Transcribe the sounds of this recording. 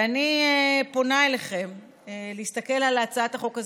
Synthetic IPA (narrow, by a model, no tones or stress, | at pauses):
aniepo̞naeleχe̞m | leistake̞lalat͡saat̪haχo̞kaz